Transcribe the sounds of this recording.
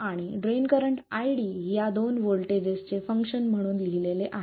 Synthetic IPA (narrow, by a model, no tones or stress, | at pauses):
aɽ̃iɖɾenkəɾəɳʈajɽiːjad̪onʋolʈed͡ʑest͡sefəŋkʂənm̤əɽ̃uːnliɦileleʔaɦ